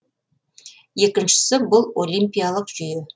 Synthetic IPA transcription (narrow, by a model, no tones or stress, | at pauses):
je̞kʲɪnʃɪ̥sɪbʊlˠo̞lʲimpʲijalˠəqʒ̥ʏjɪ